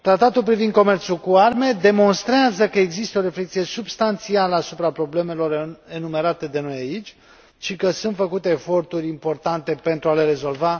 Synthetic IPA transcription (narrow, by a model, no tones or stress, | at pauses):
t̪ɾat̪at̪ulpɾivind̪̚ko̞me̞rt̪sulkuarme̞d̪e̞mo̞nst̪ɾeazəkəeɡzist̪əo̞ɾe̞fle̞k̚t̪sije̞subst̪ant̪sialəasupɾapɾo̞ble̞me̞lo̞re̞nume̞ɾat̪e̞d̪e̞no̞jait͡ʃʲ | ʃikəsunt̪fəkut̪e̞ːfo̞rt̪urʲimpo̞rt̪ant̪e̞pe̞nt̪ɾuale̞ɾe̞zo̞lva